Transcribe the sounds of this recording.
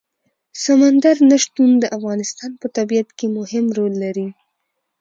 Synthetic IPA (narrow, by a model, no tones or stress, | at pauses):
samand̪aɾnaʃt̪und̪əʔafɣɑnɪst̪ɑnpət̪abijat̪kemʊhɪmɾolːaɾi